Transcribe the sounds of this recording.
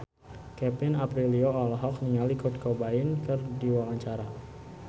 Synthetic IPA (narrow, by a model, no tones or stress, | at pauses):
kɛpɪnapɾilioɔlɔɦɔk̚niŋalikɔt̪̚kobaɪnkɨrdiwawaɲt͡ʃaɾa